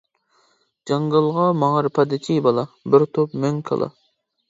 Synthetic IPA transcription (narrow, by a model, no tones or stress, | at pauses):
d͡ʒɑŋɡɑlˠʁɑmɑŋəɾpʰɑd̪ɪkʰibɑlˠɑbɪɾt̪ʰopmøŋkʰɑ̰lˠɑ̰